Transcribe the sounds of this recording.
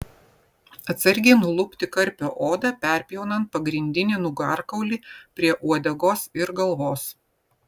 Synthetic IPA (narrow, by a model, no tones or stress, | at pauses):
ɐt̪sʲɐɾʲɡʲeːnʊlˠʊpʲt̪ʲɪkɐɾʲpʲoːʔoːd̪ɑpʲɛˑɾʲpʲijɛʊnɐnt̪̚pɐɡɾʲɪnʲd̪ʲɪnʲinʊɡɑɾkɐʊlʲiːpʲɾʲiɛʔuɔd̪ʲɛɡoːsɪɾɡɐlˠʋoːs